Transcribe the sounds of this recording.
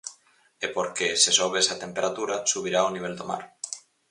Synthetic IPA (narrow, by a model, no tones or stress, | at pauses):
epoɾkesesoβesat̪empeɾat̪uɾasuβ̞iɾaoniβ̞eld̪oma̰ɾ